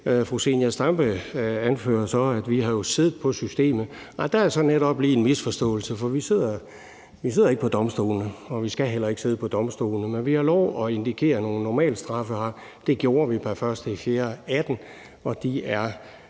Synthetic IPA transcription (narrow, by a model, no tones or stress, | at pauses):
fʁuse̝njæsd̥ɑmb̥əænfø̰ːɐsɒ̽æd̥ʋiɦɑ̈jo̝se̝ðˠð̩ˠpʰɒ̽sysd̥e̝̰ːmð̩ˠ | ɑd̥ææɐsɒ̽neɾ̥ɒ̽b̥liːenmisfɒ̽sd̥ɔ̰̽ːl̩səfɒ̽ʋise̝ð̞̰ˠɐ | ʋise̝ð̰ˠɐeɡə̥pʰɒ̽d̥ɒ̽msd̥o̰ːlnəɒ̽ʋisɡ̥æɦel̰ɐe̝ɡ̥əse̝ːð̞̰ˠpʰɒ̽d̥ɒ̽msd̥o̝̰ːlnəmenʋihɑ̈lɒʊɒ̽e̝nd̥ikʰe̝̰ːɐno̝ːn̩ːɒmɛ̰ːld̥sd̥ʁɑ̈fəhɑ̈ | d̥e̝ɡ̥jo̝ːɐʋipʰæfɶɐsd̥əifje̝ːɐæd̥n̩ | ɒ̽d̥iæɐ